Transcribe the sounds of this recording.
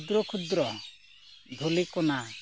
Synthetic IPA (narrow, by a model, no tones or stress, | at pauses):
d̪ɾɔkʰud̪ɾɔ | d̪ʱulikɔna